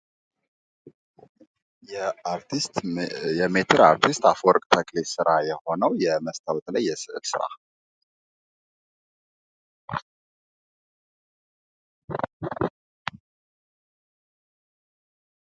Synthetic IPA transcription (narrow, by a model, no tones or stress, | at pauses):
ɛɾt̪ɛmet̪ʰɨɾaɾt̪ʰist̪afoɾkʼt̪ʰəkʼlesɨɾʔajɛho̞nəwjɛməst̪ʰawt̪ʼlajːɛsɨʔɨ̰lsɨ̰ɾa̰